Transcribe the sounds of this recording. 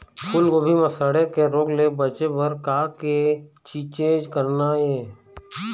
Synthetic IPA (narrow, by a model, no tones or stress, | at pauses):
kʰʊlkobʱiməsəɽekeɾoːklebət͡ʃebəɾkaːke | t͡ʃit͡ʃẽːd͡ʒkəɾnaeː